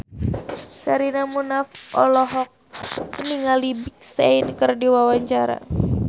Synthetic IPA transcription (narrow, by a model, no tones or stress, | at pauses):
saɾinamunafʔɔlɔɦɔk̚məniŋalibik̚sainkərdiwawaɲt͡ʃaɾa̰